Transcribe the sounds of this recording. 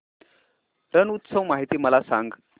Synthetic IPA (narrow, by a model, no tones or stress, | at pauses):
ɾənut̪səʋmaɦit̪iːməlasa̰ŋɡ